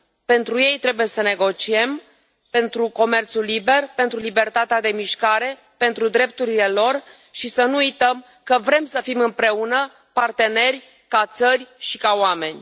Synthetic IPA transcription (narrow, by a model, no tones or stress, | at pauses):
pe̞nt̪ɾuje̞jt̪ɾe̞buje̞səne̞ɡo̞t͡ʃie̞m | pe̞nt̪ɾuko̞me̞rt̪sulːibe̞rpe̞nt̪ɾulibe̞rt̪at̪ead̪e̞miʃkaɾe̞ | pe̞nt̪ɾud̪ɾe̞p̚t̪uɾile̞lo̞r | ʃisənuujt̪əm | kəvɾe̞msəfimɨmpɾe̞unə | part̪e̞ne̞rʲ | kat̪sərʲʃikaoame̞nʲ